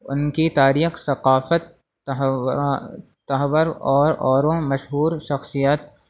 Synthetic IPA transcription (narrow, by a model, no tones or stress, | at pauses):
ʊ̰nkit̪aːɾiːxsɐqaːfət̪ | ɐɦʋəɾɔːɾɔːɾõmɐʃɦuːɾʃɐxsijat̪̚